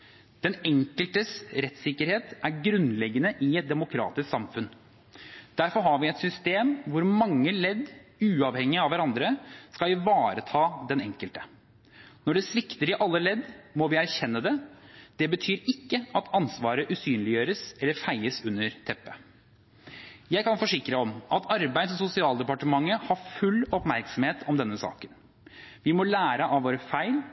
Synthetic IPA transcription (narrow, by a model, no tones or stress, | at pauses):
d̪̥ɛnɛŋkəlt̪əsɾɛt̪sɪkːəɾheːt̪æɾɡɾʉnlɛɡːənəʔɪɛt̪̚d̪ɛmʊkʰɾɑ̰ːt̪ɪsksɑmfʉn | d̪̥æɾfɔɾɦɑɾʋɪɛt̪sʏst̪eːmʋʊɾmɑŋːəlɛd̪ːʉːɑʋhɛŋːɪɑʋʋæɾɑnd̪ɾəskɑlɪʋɑːɾət̪ʰɑːd̪ɛnɛŋkəlt̪ə̥ | nɔɖɛsʋɪkt̪əɾɪʔɑlːəlɛd̪mɔʋɪæɾçɛnːəd̪ɛd̪̥ɛbət̪ʰyːɾɪkːəɑt̪ʰɑnsʋɑːɾəʔʉsyːnlɪjøːɾəsɛlːəɾfæɪəsʉnːəɾt̪ʰɛpːə | jæɪkɑnfɔʂɪkɾəɔmɑt̪ʰɑɾbæɪd̪ɔsʊsɪɑːld̪ɛpɑʈəmɑŋːəhɑfʉlːɔpmæɾksɔm̩heːt̪ʰɔmd̪ɛnːəsɑ̰ːkən | ʋɪmɔlæːɾəʔɑʋʋoːɾəfæɪl